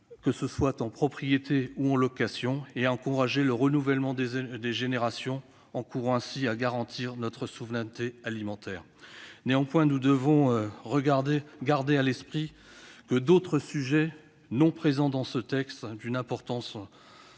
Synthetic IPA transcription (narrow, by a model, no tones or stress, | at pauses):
kəsəswat̪ɑ̃pχɔpχijet̪ʰeuɑ̃lɔkasjɔ̃eaɑ̃kuʁaʒeləʁənuvɛlmɑ̃d̪eʒeneʁasjɔ̃ | ɑ̃kuʁ̃ɛ̃siaɡaʁɑ̃t̪ʰiːʁnɔt̪χəsuvʁɛ̃nt̪ealimɑ̃t̪ɛːʁ | neɑ̃pwɛ̃nud̪əvɔ̃ʁəɡaʁd̪ealɛspχi | kəd̪ot̪χəsyʒɛ | nɔ̃pχezɑ̃d̪ɑ̃sət̪ɛkst̪d̪ynɛ̃pɔʁt̪ɑ̃s